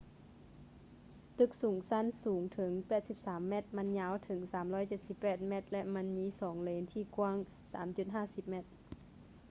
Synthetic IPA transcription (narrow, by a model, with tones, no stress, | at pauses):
t̪ɯ˧˩k̚suː˩˦ŋsa˧˥˨nsuː˩˦ŋt̪ʰɤ˩˦ŋpɛː˨˩t̪̚si˧˦p̚saː˨˩˦mːɛ˧˩t̪̚ma˧˥˨nɲaː˧˥˨wt̪ʰɤ˩˦ŋsaː˩˦mlɔː˧˥˨jt͡ɕe˨˩t̪̚si˧˦pːɛː˨˩t̪̚mɛ˧˥˩t̪̚lɛ˧ʔma˧˥˨nmiː˧˥˨sɔː˩˦ŋleː˨˦nt̪ʰiː˧˩ku˧˨ŋ | sa̰ː˩˦mt͡ɕu˧˩t̪̚ɦaː˥˩˨si˧˦p̚mɛ˧˩t̪̚